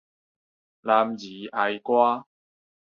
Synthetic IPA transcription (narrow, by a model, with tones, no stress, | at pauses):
laː˧mjiː˨˦ʔa˧jkʷwaː˥